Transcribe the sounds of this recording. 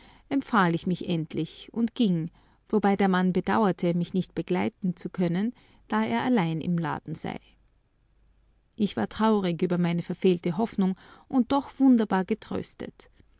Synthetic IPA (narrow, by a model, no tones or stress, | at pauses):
ʔɛmfaːlɪçmɪçʔɛntʰlɪçʔʊntɡ̥ɪŋ | v̥obaɪdeːɐmanbədaʊɐtʰəmɪçnɪçt̚b̥əɡ̥laɪtn̩t͡sukʰœnən | d̥aːeːɐʔalaɪnɪ̰mla̰ːd̥n̩z̥a̰ɪ | ʔɪçv̥a̰ːɐtʁ̥aʊʁɪkyːbɐmaɪnəfɛɐfeːltəɦɔfnʊŋʔʊnt̚d̥ɔχv̥ʊndɐbaːɐɡətʁ̥ø̰ːstə̰t